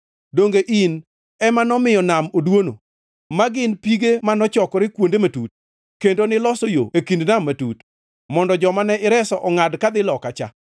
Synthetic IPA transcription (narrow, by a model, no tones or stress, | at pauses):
doŋɡeʔin | ɛmanɔmɪjɔnamodwono̰ | maɡɪnpiɡemanɔt͡ʃɔkɔɾɪkwondematut̚ | kendonɪlɔsojo̰ekindnamːatut | mɔndɔd͡ʒɔmanɛʔɪɾɛsɔʔɔŋadkad̪ɪlɔkat͡ʃa̰